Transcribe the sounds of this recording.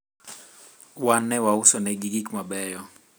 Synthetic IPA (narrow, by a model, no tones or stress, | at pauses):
wanɛwausɔnɛɡiɡikmabɛjɔ